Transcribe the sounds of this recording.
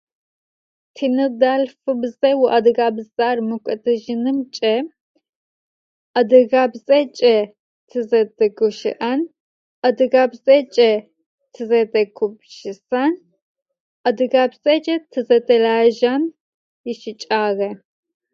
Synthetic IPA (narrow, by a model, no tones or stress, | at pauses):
tʰinɨdalfɨbzɛwʊʔɐdɨɣabzʼarmɨkʷʼɐtʰʼɨʒɪnɨmt͡ʃʼɐ | ɐdɨɣabzʼɐt͡ʃʼɛ | tʰɨzɐdʼɐɡʊʃɪ̰ʔɐn | ɐdɨɣabzʼɐt͡ʃʼɛ | tʰɨzɐtʼɐkʷʰʊbʃɪsan | ʔɐdɨɣabzʼɛt͡ʃʼɛtʰɨzɐtʼɐlaːʒam | jɪʃɪt͡ʃʼaːɣɐ